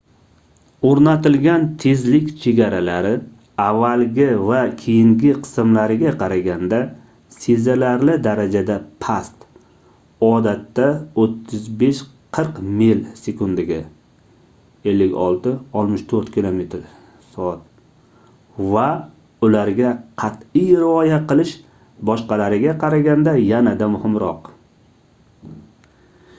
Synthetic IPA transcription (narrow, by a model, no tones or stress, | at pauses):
oɾnat̪ɪlɡʲant̪ʰe̞zlɪkʲt͡ʃʰe̞ɡʲaɾalaɾɪ | avːalɡʲɪvakʲʰejɪŋɡʲɪqʰɨ̥sɨmlaɾɪɡʲaqʰɑɾaɡʲand̪a | sezalaɾlɪd̪aɾad͡ʒad̪apʰast̪ | ɒd̪at̪ːaot̪ʰːʊzbe̞ʃqʰɨɾqmilsekʊnd̪ɪɡʲɪ | e̞lːɪkʲɒlˠt̪ɪɒlˠmɪʃt̪ʰoɾt̪kʲʰilˠome̞t̪ʰɾ | sɒat̪̚ | va | ʊlaɾɡʲaqʰɑt̪ijɾɪɒjaqʰɨlˠɪʃ | bɒʃqɑlaɾɪɡʲaqʰɑɾaɡʲand̪ajanad̪amʊhɪmɾɒq